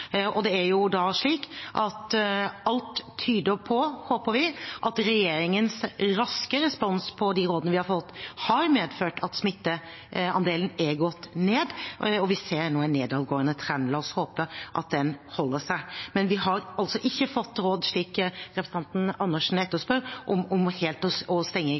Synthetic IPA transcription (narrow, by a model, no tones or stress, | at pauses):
ʔɔd̪ɛæɾjʊd̪ɑʂɭiːkʔɑt̪ɑlt̪ʰːyːd̪əɾpʰɔhoːpəɾʋɪʔɑt̪ɾɛjeːɾɪŋənsɾɑskəɾɛspɔnspʰɔd̪ɪɾoːd̪ənəʋɪhɑɾfɔt̪ːhɑɾmeːd̪føːʈɑt̪smɪt̪ːə | ɑ̰nd̪eːlən̩ɛɾɡɔt̪ːneːd̪ɔʋɪseːɾnoːɛneːd̪ɑːʋɡoːənət̪ʰɾɛnlɑːshoːpəʔɑ̰t̪̚d̪ɛnhɔlːəʂæɪmɛnʋɪɦɑɾɑlt̪sɔʔɪçːəfɔt̪ːɾoːd̪ʂɭiːkɾɛpɾəsə̥nɑnt̪n̩ɑnːəʂn̩ɛt̪ːəspœɾʔɔmɔmheːlt̪ɔɔst̪ɛŋːə